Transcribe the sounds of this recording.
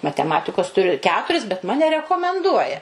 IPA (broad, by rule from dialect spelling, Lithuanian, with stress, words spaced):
mɐtʲɛˈmɑːtʲɪkoːs tʊˈrʲʊ ˈkʲæːtʊrʲɪs bʲɛt ˈmɑːnʲɛ rʲɛkoːmʲɛnˈduɔjɛ